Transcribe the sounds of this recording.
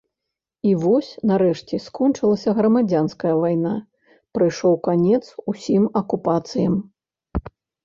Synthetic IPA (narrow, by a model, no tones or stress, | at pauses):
ivɔsʲnɐɾɛʂt͡sʲɛskɔnt͡ʂɨlˠɐsʲɐɣɾɐmad͡zʲanskɐjɐvajna | pɾɨjʂɔwkanʲɛt̪susʲimɐkupat̪sɨjɐm